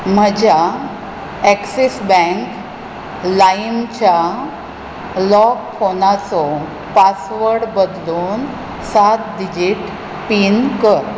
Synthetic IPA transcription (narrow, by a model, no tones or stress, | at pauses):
m̤əd͡ʑa | eksisbɛ̃ŋk | laimt͡ɕa | lɔkfʰonat͡sɔ | pasʋəɾɽɖbəd̪luːn | sat̪̚did͡ʑiʈ | pinkəɾ